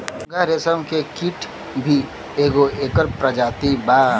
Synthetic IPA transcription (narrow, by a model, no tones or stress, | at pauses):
ɡaɾesəmkekiʈʰ | bʱi | eːɡoeːkəɾpɾəd͡ʒaːt̪ibaː